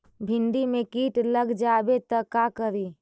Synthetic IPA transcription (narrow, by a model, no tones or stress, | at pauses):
bʱɪ̃ɳɖimẽkiːʈləɡd͡ʒaːbet̪ɐkakəɾiː